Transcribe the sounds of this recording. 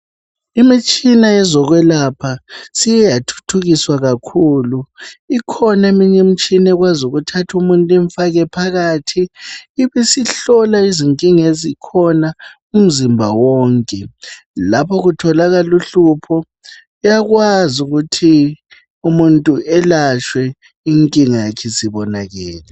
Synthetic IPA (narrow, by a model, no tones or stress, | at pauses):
imit͡ʃʼinaɛzɔɣwɛlapʰasijɛjatʰu̥tʰuɣiswaɣakʰuːluikʰɔnaemiɲɛm̩t͡ʃʼinɛɣwazuɣutʰatʰumuntʼɛɱfaɣɛpʰaɣaːtʰiːβisiɬɔlaiziŋkʼiŋezikʰɔna | um̩zimbʱa̰wɔːŋkʼɛ | lapʰɔɣutʰɔlaɣaluɬupʰɔ | jaɣwazuɣutʰi | umuntʼuʔɛlaʃwɛ | iŋkʼiŋiakʰɛsiβɔnaɣɛːlɛ